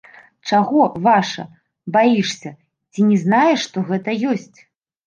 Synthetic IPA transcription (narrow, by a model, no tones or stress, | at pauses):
t͡ʂaɣɔvaʂɐ̰ | bajiʂsʲɐ | t͡sʲinʲɛznajɛʂːt̪ɔɣɛt̪ɐjɔsʲt͡sʲ